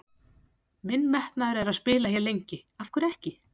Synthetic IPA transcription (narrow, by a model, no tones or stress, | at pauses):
mɪnːmɛht̪naɾɛɾaðspɪːlahjɛlejɲcɪafkʏɾɛhcɪ